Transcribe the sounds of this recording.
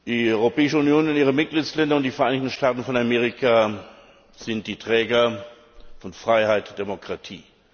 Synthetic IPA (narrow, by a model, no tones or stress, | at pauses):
d̥iːɔʏʁopɛːɪʃəʊnjoːnʊnʔiːʁ̞əmɪt̚ɡ̥liːtslɛndɐʊntd̥ifɛɐʔaɪnɪçtn̩ʃtaːtn̩fɔnameːʁikʰa | z̥ɪnt̚d̥iːtʁ̥ɛːɡɐ | fɔnfʁ̥aɪhaɪtd̥emokʁ̥atʰḭː